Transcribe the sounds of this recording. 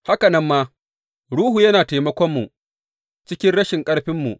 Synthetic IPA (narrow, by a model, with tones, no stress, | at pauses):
ha˦kɐ˨nɐ˦mːaː˦ | ɽuː˦hu˨jɐ˦naː˨teː˨mɐ˦kʷɔ˦mːu˨ | t͡ʃɪ˦kʲɪ˦nɽɐ˦ʃɪ˨ŋkʼɐ˦ɽɸɪ˦mːu˨ʔ